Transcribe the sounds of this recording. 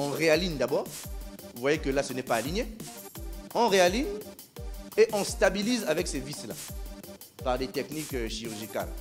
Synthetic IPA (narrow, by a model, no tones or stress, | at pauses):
ɑ̃ʁealind̪abɔːʁuvwajekəlasənɛpaːliɲje | ɑ̃ʁealiɲ | eʔɑ̃st̪abilizavɛksevisla̰ | paʁd̪et̪ɛknikøʃiʁyʁʒika̰l